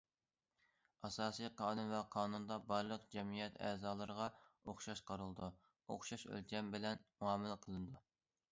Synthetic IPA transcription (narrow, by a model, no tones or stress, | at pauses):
ɑsɑːsijqʰɑːnunvɛqʰɑːnund̪ɑbɑɾlˠəqd͡ʒɛmijɛt̪ʰɛ̰ːzɑːlˠɨɾəʁɑoχʃɑʃqʰɑɾɨlˠɨd̪u | o̰χʃɑʃø̰lt͡ʃʲʰɛmbɪlɛnmuwɑːmɨlqʰəlˠɨnɨd̪u